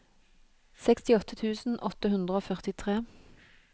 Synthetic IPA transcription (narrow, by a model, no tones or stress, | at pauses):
sɛkst̪ɪɔt̪ət̪ʰʉːsn̩ʔɔt̪əhʉnd̪ʁəoːfœʁt̪ɪt̪ʰʁeː